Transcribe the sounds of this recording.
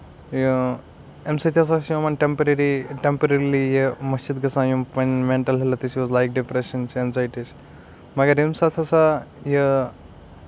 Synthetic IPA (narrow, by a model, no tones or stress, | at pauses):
ju | emsɐt̪ʰiɐs̬aõmɐnʈempɐɾɐɾiʈempɐɾɐɾilijemɐst͡ʃid̪ɡɐsãːjumpɐnmẽɳʈɐlɦelɐt̪it͡ʃiʋɔzlajk̚ɖipɾeʃɐnt͡ʃenzajʈis | mɐɡɐɾimsat̪ʰɐsajə